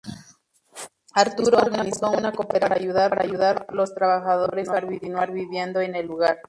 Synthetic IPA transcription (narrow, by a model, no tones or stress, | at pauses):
aɾt̪uɾoɾɣanisounakopeɾaɾaʝuðaɾaɾa̰ʝuðaɾlo̞st̪ɾaβaxaðoɾenwaɾβitinwaɾβiβjend̪oenelːuɣaɾ